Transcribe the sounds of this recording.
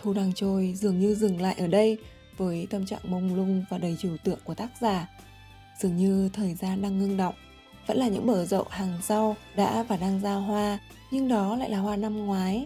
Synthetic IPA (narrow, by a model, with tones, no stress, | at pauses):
t̪ʰu˧ɗaː˧ŋt͡ɕo˧jzɨ˨˩əŋɲɨ˧zɨ˨˩ŋla̰ː˧˨ʔəː˧˩ɗə˧j | vəː˨˦jt̪ə˧mt͡ɕa̰ː˧˨ŋmə˧wŋ͡mlʊ˧ŋ͡mvaː˨˩ɗə˨˩jt͡ɕi˧˩wt̪ɨ̰˧˨əŋku˧˩ət̪aː˦˥k̚zaː˨˩ | z̥ɨ˨˩əŋɲɨ˧t̪ʰəː˨˩jzaː˧nɗaː˧ŋːɨ˧ŋɗə̰˧˨wŋ͡m | və̰˧˥nlaː˨˩ɲɨ̰˧˥ŋɓəː˧˩zə̰˧˨wʔhaː˨˩ŋsa˧wɗa̰ː˧˥vaː˨˩ɗaː˧ŋzaː˧ɦwaː˧ | ɲɨ˧ŋɗɔ˨˦la̰ː˧˨laː˨˩ɦwaː˧na˧mŋwaː˨˦j